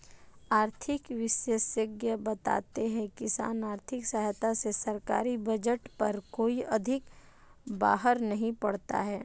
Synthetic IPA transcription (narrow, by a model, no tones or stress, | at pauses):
aːɾt̪ʰɪkʋɪʃjesjəɡjəbɐt̪a̰ːt̪eɦɛ̃kɪsa̰ːnaːɾt̪ʰɪksəɦt̪asesɐɾkaːɾibɐd͡ʒəʈpɐɾkoːiɐd̪ʱɪk | baːɦəɾnɐɦĩpɐɽt̪a̰ɦɛː